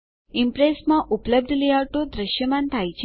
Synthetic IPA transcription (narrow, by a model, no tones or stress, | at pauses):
impɾesmãʔupləb̚d̪ʱliaʈod̪ɾəʃjəmãnt̪ʰajt͡ɕʰ